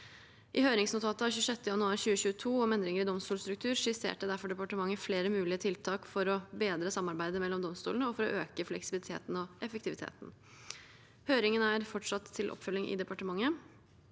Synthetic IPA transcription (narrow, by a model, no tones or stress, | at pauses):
ʔɪhøːɾɪŋsnʊt̪ʰɑːt̪ɑçʉːʂɛt̪ːəjɑnʉɑːɾɕʉːəɕʉːət̪ʰuːɔmɛnd̪ɾɪŋəɾɪd̪ɔmst̪uːst̪ɾʉk̚t̪ʰʉːɾʂɪsḛːʈəd̪æɾfɔɖɛpɑʈəmɑŋːəfleːɾəmʉːlɪət̪ʰɪlt̪ʰɑːkfɔɾɔbeːd̪ɾəsɑmːɑɾbæɪd̪əmɛlːɔmd̪ɔmst̪ṵlnəɔfɔɾɔ̰ʔøːkəflɛksɪbɪlɪt̪ʰḛːt̪n̩ɔʔɛfək̚t̪ɪʋɪt̪ʰḛːt̪n̩ | høːɾɪŋənæɾfɔʈʂɑt̪ʰːɪlʔɔ̰pːfœlːɪŋʔɪ̰d̪ɛpɑʈəmɑŋːə